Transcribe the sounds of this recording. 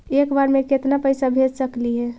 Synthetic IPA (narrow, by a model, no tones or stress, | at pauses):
ekbaɾmeket̪napəjsabʱed͡ʒsəkliɦɛ̃